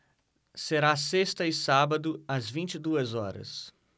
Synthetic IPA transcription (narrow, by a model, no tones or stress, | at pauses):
seɾasest̪ɐɪsabɐd̪ʊɐzvĩt͡ʃɪd̪uɐzɔɾɐ̰s